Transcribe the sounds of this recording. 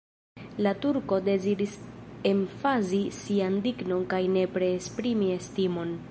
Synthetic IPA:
latuɾko̞de̞zidise̞ɱfazisiandikno̞nkajne̞pɾe̞ːspɾimie̞stimo̞n

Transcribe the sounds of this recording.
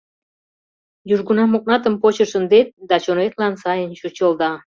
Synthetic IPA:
juʒɡunɑmoq̚nɑt̪əmpot͡ɕə̆ʃə̆nd̪et̪̚d̪ɑt͡ɕonvet̪lɑnsɑjənɕut͡ɕə̆lˠd̪ɑ

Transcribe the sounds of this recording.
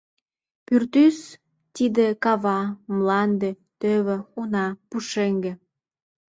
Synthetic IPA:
pyrt̪ys | t̪id̪ekɑβɑmlɑnd̪e | t̪øβĕunɑpuʃeŋɡĕ

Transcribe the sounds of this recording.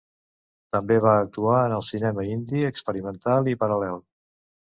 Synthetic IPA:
t̪əmbeβaːk̚t̪uaənəlˠsinɛməind̪iəkspəɾimənt̪alˠipəɾəlɛlˠ

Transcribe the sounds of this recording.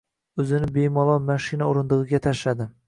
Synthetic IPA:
ɵzɪnɪbe̞jmɒlˠɒwmaʃɪnaoɾɪnd̪ɨʁɨɡʲat̪ʰaʃlad̪ɪ

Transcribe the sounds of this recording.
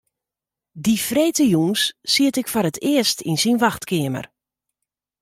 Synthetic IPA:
difreːtəjunsːiətɪkfoɾətʰɪəstinsinʋaxtkɪəmə̰r

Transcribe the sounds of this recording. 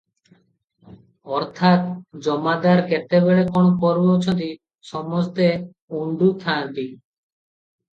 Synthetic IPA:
ɔɾt̪ʰat̪d͡ʒɔmad̪aɾkɛt̪ebeɭekoɽ̃opɔɾbeot͡ɕʰɔnt̪i | ʃɔmɔst̪e | uɳɖut̪ʰant̪i

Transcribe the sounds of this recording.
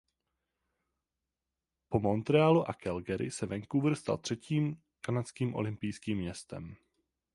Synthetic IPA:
po̞mo̞nt̪ɾɛaːluʔakɛlɡɛɾɪ̰sɛvɛŋkuvrst̪a̰lt̪r̥ɛciːm | kanat͡skiːmʔo̞̰lɪmpɪjskiːmːɲɛst̪ɛ̰m

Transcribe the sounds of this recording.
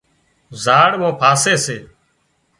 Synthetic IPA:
zaːɽmõːpʰaːseːseː

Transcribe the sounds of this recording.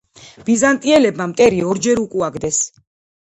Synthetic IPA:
b̥izant̪ʼiɛlɛbmamt̪ʼɛɾiɔɾd͡ʒɛɾukʼuaɡd̪ɛs

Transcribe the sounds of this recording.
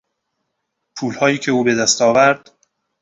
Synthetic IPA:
pʰuːlhɒːjiːcʲʰe̞uːbe̞d̪æst̪ɒːvæɾd̪̥

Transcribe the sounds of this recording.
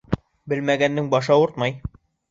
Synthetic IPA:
bɘlmæɡænːɘŋbɒʃɑuɾt̪mɑj

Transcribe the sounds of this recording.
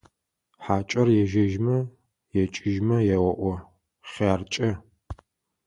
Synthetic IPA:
ħaːt͡ʃʼɐrjɛʒɐʒmɐ | jɛt͡ʃʼɪʒmɐjɛwɐʔʷɔ | χaːrt͡ʃʼɐ

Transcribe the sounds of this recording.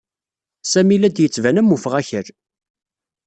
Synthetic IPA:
sæmilæd̪jət͡sːvænæmːufʁæçəɾ

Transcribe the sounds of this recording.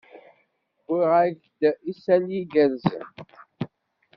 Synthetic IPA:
iʁaʝ | d̪isæliɡænz

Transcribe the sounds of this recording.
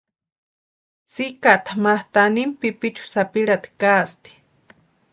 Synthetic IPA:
sikat̪amaht̪animpipit͡ʃʰu̥sapiɺat̪i̥kast̪i̥

